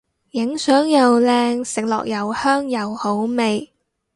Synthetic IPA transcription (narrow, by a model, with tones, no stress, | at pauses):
jɪ˨˥ŋsœː˨˥ŋjɐ˨wlɛː˧ŋsɪ˨k̚lɔ̰ː˨k̚jɐ˨whœː˥ŋjɐ˨who˨˥wme˨j